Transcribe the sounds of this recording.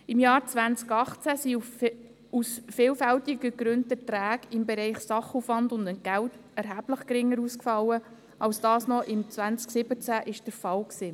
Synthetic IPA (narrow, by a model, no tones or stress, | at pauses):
ɪmjɑːɾt͡sʋænt͡skɑχt͡sæsiu | usfɪːlfæltɪɡəɡɾʏnddətɾæːɡɪmbɛɾɛɪχsɑχufʋɑndʊndənɡ̥æwtɛɾɦæbləχkɾɪŋːəɾuːskfɑlːə | ʔɑlsd̥ɑːsnɔʔɪmt͡sʋænt͡sksɪbət͡sæʔɪʃd̥əɾfɑwksiː